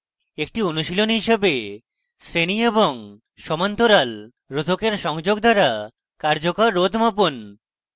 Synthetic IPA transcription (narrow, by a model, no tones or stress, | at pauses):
ek̚ʈionuʃilonɦiʃebe | sɾenieboŋ | ʃɔmant̪oɾal | ɾod̪ʱokeɾʃɔŋd͡ʑoɡ̚d̪ʱaɾa | kaɾd͡ʑokaɾːod̪ʱmopon